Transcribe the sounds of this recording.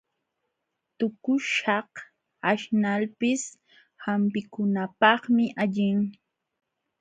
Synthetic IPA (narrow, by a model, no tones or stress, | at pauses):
t̪ʊkʊʃɑh | aʃnalpɪs | hampɪkʊnapɑχmɪʔaʎɪŋ